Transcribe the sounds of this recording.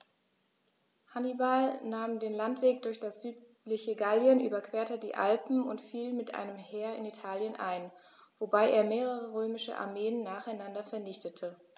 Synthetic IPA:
hanibalnaːmdeːnlantv̥eːk̚d̥ʊɐçd̥asz̥yːt | lɪçəɡaljənʔy̰ːbɐkv̥eːɐtədḭːʔa̰lpm̩ʊ̰ntfiːlmɪtʔa̰ɪnəmheːɐɪ̰nitʰaːljənʔa̰ɪn | v̥obaɪʔeːɐmeːʁ̞əʁ̞əʁøːmɪʃə̰ʔa̰ɐmeːənːaːχaɪnandɐfɛɐnɪçtʰətʰə

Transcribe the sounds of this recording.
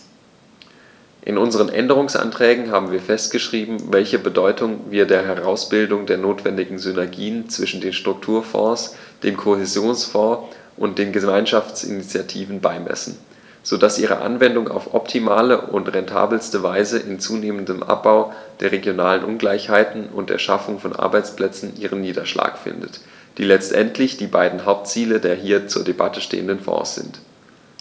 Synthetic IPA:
ʔɪ̰nʊnzəʁ̞ənʔɛ̰ndəʁ̞ʊŋsʔa̰ntʁ̥ɛːɡŋ̩ɦaːbm̩viːɐfɛstɡ̥əʃʁ̥iːbm̩vɛlçəbədɔʏtʰʊŋviːɐdeːɐɦɛʁaʊsb̥ɪldʊŋdeːɐnoːtv̥ɛndɪɡŋ̩zʏnɛɐɡiːənt͡sv̥ɪʃn̩deːnʃtʁ̥ʊk̚tʰuːɐfɔ̰̃ːsd̥eːmkʰohezjoːnsfɔ̃ː | ʔʊnt̚d̥eːnɡəmaɪnʃaft͡sɪ̰nit͡sjatʰiːvn̩baɪmɛ̰sn̩ | z̥od̥asʔiːʁ̞ə̰ʔa̰nvɛndʊŋa̰ʊfʔɔptʰimaːləʔʊntʁɛntʰa̰ːbl̩stəvaɪzəʔɪnt͡suːneːməndəmʔa̰p̚b̥aʊd̥eːɐʁeɡjonaːlənʔʊnɡlaɪçhaɪtn̩ʊ̰nt̚d̥ḛːɐʃafʊŋfɔnʔa̰ɐbaɪt͡spl̥ɛt͡sn̩ʔiːʁ̞ənːiːdɐʃla̰ːkfɪ̰ndət | d̥iːlɛt͡stʔɛntʰlɪçd̥iːbaɪdn̩ɦaʊp̚tt͡siːlədeːɐɦiːɐt͡suːɐdebatəʃtḛːəndənfɔ̰̃ːsz̥ɪ̰nt

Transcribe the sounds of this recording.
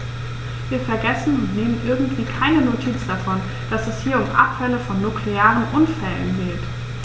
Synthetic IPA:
viːɐfɛɐɡɛsn̩ʊntneːmənʔɪɐɡŋ̩tv̥iːkʰaɪnənotʰiːt͡sd̥afɔn | d̥asɛshiːɐʊmʔa̰pfɛləfɔnːukʰleaːʁənʔʊnfɛlə̰nɡeːt

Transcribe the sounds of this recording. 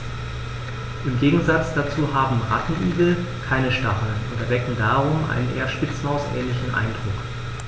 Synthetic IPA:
ʔɪmɡeːɡŋ̩zat͡sd̥at͡suːɦaːbm̩ʁa̰tn̩ʔyːɡl̩ | kʰaɪnəʃtaχl̩ʊntɛɐdɛkŋ̩daːʁʊmʔa̰ɪnənʔḛːɐʃpɪt͡smaʊsʔɛ̰ːnlɪçn̩ʔa̰ɪndʁʊk

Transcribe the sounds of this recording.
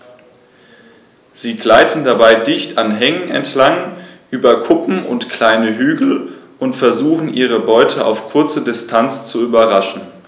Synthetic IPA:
z̥iːɡlaɪtn̩dabaɪdɪçtanɦɛŋənɛ̰ntʰlaŋʔyːbɐkʰʊpm̩ʔʊ̰ntkl̥aɪnəɦyːɡl̩ʔʊntfɛɐzuːχn̩ʔiːʁ̞əbɔʏtʰəʔa̰ʊfkʰʊɐt͡sədɪstʰant͡st͡suyːbɐʁaʃn̩

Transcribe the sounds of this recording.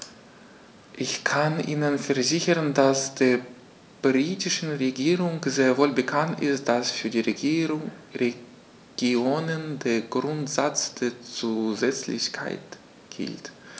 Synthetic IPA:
ʔɪçkʰanʔiːnənfɛɐzɪçəʁəndasd̥eːɐ | b̥ʁiːtɪʃn̩ʁeɡiːʁʊŋzeːɐvoːlbəkʰantɪ̰std̥asfyːɐdiːʁ | ʁe | ɡ̥ioːnəndeːɐɡʁʊntz̥at͡sd̥eːɐt͡suːzɛt͡slɪ̰çkʰa̰ɪt | ɡ̥ɪ̰lt

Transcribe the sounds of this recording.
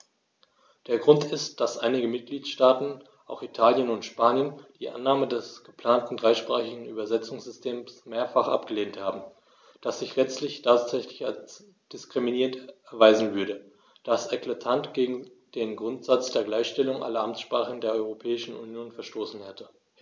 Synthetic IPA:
d̥eːɐɡʁʊntɪstd̥asʔaɪnɪɡəmɪt̚ɡ̥liːtʃtaːtn̩ | ʔaʊxitʰaːljənʊntʃpaːnjənd̥iːʔa̰nːaːmədɛsɡ̥əpʰl̥aːntn̩dʁaɪʃpʁ̥aːχɪɡŋ̩yːbɐzɛt͡sʊŋsz̥ʏstʰeːmsmeːɐfaχʔa̰pɡ̥əleːnthaːbm̩ | d̥asz̥ɪçlɛt͡stlɪçtʰaːtz̥ɛçlɪça̰st͡s | d̥ɪskʁ̥iminiːʁəntɛɐvaɪzn̩vʏɐɾə | d̥asɛklatʰantɡ̥eːɡŋ̩ | d̥eːnɡʁʊntz̥at͡sd̥eːɐɡlaɪçʃtɛlʊŋʔa̰lɐʔamt͡sʃpʁ̥aːχəəndeːɐʔɔʏʁopʰɛːɪʃn̩ṵnjoːnfɛɐʃtoːsn̩hɛtə

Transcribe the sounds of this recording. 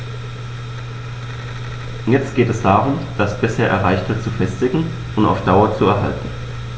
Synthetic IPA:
jɛt͡stɡ̥eːtɛsd̥aːʁʊmd̥asb̥ɪsheːɐʔɛɐʁaɪçtv̥ɪɐt̚t͡sufɛstɪɡŋ̩ | ʔʊnta̰ʊfd̥aʊɐt͡suɛɐɦa̰ltn̩

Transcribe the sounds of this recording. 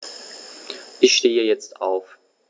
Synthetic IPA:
ʔɪçʃteːəjɛt͡stʔa̰ʊf

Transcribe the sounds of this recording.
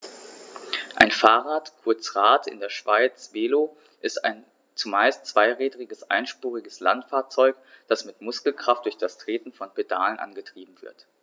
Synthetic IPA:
ʔaɪnfaːʁaːtkʰʊɐt͡sʁaːtʰɪ̰ndeːɐʃv̥aɪt͡sv̥eːlo | ʔɪsta̰ɪn | t͡sumaɪstt͡sv̥aɪʁɛːdʁɪɡəsʔa̰ɪnʃpuːʁɪɡəsla̰ntfaːɐt͡sɔʏk | d̥asmɪtmʊskl̩kʁ̥aft̚d̥ʊɐçd̥astʁ̥eːtn̩fɔnpeda̰ːlənʔa̰nɡətʁ̥iːbm̩vɪ̰ɐt

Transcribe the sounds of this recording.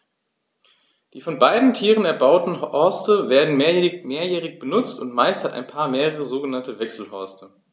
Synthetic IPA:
d̥iːfɔnbaɪdn̩tʰiːʁənɛɐbaʊtn̩ɔɐstəveːɐdn̩meːɐjɛmeːɐjɛːʁ̞ɪçb̥ənʊt͡stʊntmaɪsthata̰ɪnpʰaːɐmeːʁəʁ̞əzoːɡənantəvɛksl̩hɔɐstʰə

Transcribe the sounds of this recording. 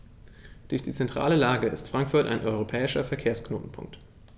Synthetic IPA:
d̥ʊɐçd̥iːt͡sɛntʁ̥a̰ːləlaːɡəɪ̰stfʁ̥aŋkfʊɐtʔa̰ɪnʔɔʏʁ̞opʰɛːɪʃɐfɛɐkʰeːɐskno̰ːtn̩pʰʊ̰ŋk̚t

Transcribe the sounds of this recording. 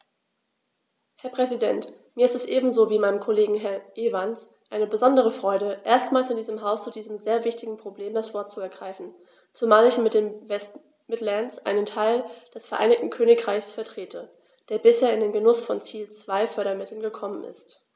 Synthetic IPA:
hɛɐpʁ̥ɛzidɛntmiːɐɪstɛsʔeːbm̩zoːviːmaɪnəmkʰoleːɡŋ̩ɦɛɐʔeːvans | ʔaɪnəbəzɔndəʁ̞əfʁ̥ɔʏɾəʔeːɐstmaːlsɪndiːzəmɦaʊst͡sudiːzəmzeːɐvɪçtɪɡŋ̩pʁ̥obleːmdasv̥ɔɐtt͡suɛɐɡʁaɪfn̩ | t͡sumaːlɪçmɪt̚d̥eːmvɛst | mɪtlansʔa̰ɪnəntʰaɪld̥ɛsfɛɐʔaɪnɪk̚tn̩kʰøːnɪkʁ̥aɪçsfɛɐtʁ̥eːtʰə | d̥eːɐbɪsheːɐɪndeːnɡənʊsfɔnt͡siːlt͡sv̥aɪfœɐɾɐmɪtʰl̩nɡəkʰɔmənɪ̰st

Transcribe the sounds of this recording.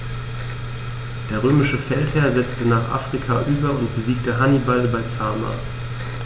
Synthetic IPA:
d̥eːɐʁ̞øːmɪʃəfɛlthɛːɐzɛt͡stənaːχʔa̰ːfʁ̥ikʰaʔyːbɐʊntb̥əziːk̚təɦanibalbaɪt͡saːma̰

